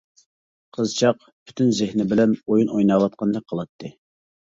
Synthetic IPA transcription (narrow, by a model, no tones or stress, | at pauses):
qʰəzt͡ʃʰɑq | pʰy̥t̪ʰynzɪhnɪbɪlɛnojunojnɑːwɑt̪̚qʰɑnd̪ɑk̚ʲqʰəlˠɑt̪ʰːɨ